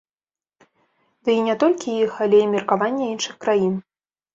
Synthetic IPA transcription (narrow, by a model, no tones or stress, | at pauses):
d̪ɨinʲɛt̪ɔlʲkʲijixalʲɛimʲirkavanʲːɛinʂɨxkɾajin